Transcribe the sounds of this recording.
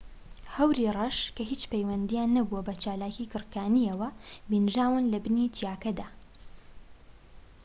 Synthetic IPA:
hɐwɾiːrˤɐʃkɐhiːt͡ʃpɐjwɐnd̪ijaːnːɐbuwɐbɐt͡ʃaːlaːciːkɨɾkaːnijɐwɐbinʒaːwɨnlɐbɨniːt͡ʃijaːkɐd̪aː

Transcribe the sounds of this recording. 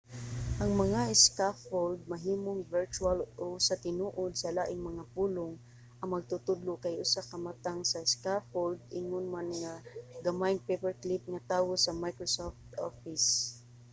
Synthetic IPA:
ʔɐŋmɐŋaɪskafold̪̚mɐɦiːmoŋvɛɹt͡ʃualʔoʊsat̪ɪnuːʔod̪sɐlaʔɪŋmɐŋapulʊŋ | ʔɐŋmɐɡ̚t̪ʊt̪ʊd̪lʊkajʔʊsakɐmat̪aŋsaskafold̪̚ʔɪŋʊnmanŋaɡamajŋpepɛɹklip̚ŋat̪aːwosɐmajkɹosoft̪ofɪs

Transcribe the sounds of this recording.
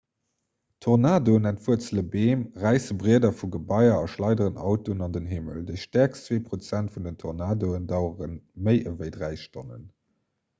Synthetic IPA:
tʰoʁnaːdoənæntv̥uət͡sələbeːmʁæɪsəbʁiədɐfuɡəbɑɪɐɑʃlɑɪdəʁənɑʊtoənɑndənɦimə̰ldəɪʃtæɐkst͡sweːpʁot͡sæntfundəntʰoʁnaːdoəndɑʊəʁənməɪʔəvəɪdʁæɪʃtonə̰n

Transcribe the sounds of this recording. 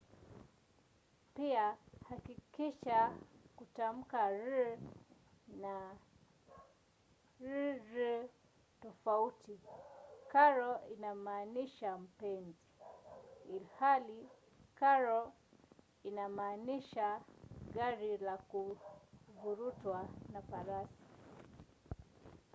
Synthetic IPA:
piahakikiʃakutam̩kaɾi | na | ɾiɾi | tɔfauti | kaɾɔinamaːniʃam̩pɛnzi | ilhali | kaɾɔ | inamaːniʃaɡaɾilaku | vuɾutwanafaɾasi̥

